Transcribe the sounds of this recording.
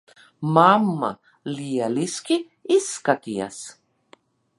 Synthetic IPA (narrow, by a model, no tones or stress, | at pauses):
mamːa̰ | lijaliski | iskat̪ia̰s